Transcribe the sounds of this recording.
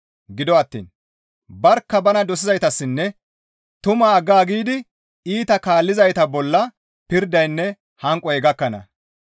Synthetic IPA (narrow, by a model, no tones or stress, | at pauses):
ɡɪd̪ɔɐt̪ːḭːn | bɐɾkːɐbɐnɐd̪ɔsɪzɐjt̪ɐsːɪnːɛ | t̪ʊmaːɡaːɡiːd̪ɪ | iːt̪ɐkaːlːɪzɐjt̪ɐbɔlːɐ | pɪɾd̪ɐjnːɛ | hɐŋkʼːɔɛɡɐkːɐnɐ̰